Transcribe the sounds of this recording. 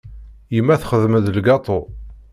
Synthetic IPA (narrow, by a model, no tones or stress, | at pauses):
jəmːæθχəðməðlɡɑt̪ˤo